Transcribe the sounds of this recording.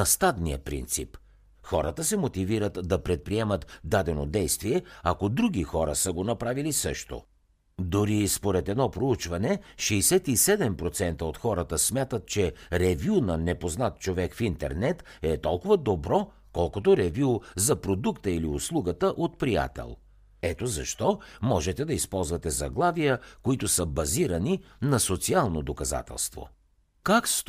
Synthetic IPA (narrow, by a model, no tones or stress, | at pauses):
ɐst̪ad̪nijə̰pɾḭnt̪sḭp | xɔɾət̪əsɛmot̪iviɾət̪d̪ɐpɾɛt̪̚pɾiɛmət̪d̪ad̪ɛno̰d̪ɛjst̪viɛɐkod̪ɾuɡ̟ʲixɔɾə̰səɡonɐpɾavilisɤʃt̪o̰ | d̪ʊɾispoɾɛt̪ɛd̪nɔpɾout͡ʃvɐnɛʃɛːsɛt̪isɛd̪ɛmpɾot̪sɛnt̪əot̪xɔɾət̪əsmʲjat̪ət̪̚t͡ʃɛɾɛvʲjunɐnɛpoznat̪̚t͡ʃovɛkfint̪ɛ̰ɾnɛt̪ | ɛt̪ɔlˠkʊvəd̪obɾɔ | kɔlˠkot̪oɾɛvuzɐpɾod̪ukt̪əiliʊslˠuɡət̪əʔot̪̚pɾija̰t̪ɛ̰lˠ | ɛt̪ozɐʃt̪ɔmɔʒɛt̪ɛd̪ɐispɔlˠzvɐt̪ɛzɐ̰ɡlˠavijəkoit̪ʊsəbɐziɾɐninɐsot̪sialˠnod̪okɐza̰t̪ɛ̰lˠst̪vo̰ | kaks